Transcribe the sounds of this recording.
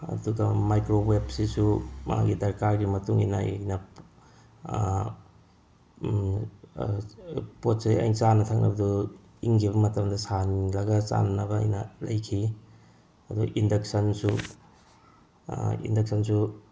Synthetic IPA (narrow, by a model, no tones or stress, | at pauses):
ɐ̰duɡɐmajkɾowebsisumɐ̰a̰ŋɡidɐɾkaɾɡimɐtuŋḭna̰nɐ | pot̚siɐ̰jnt͡ʃanɐtʰaŋnɐ̰bɐdu | iŋɡʰiβɐmɐtɐmdɐsanilɐɡɐt͡ʃa̰nnɐbɐɐ̰jnɐlɐjkʰi | ɐduʔindɐk̚sɐnsu | ḭndɐk̚sɐnsu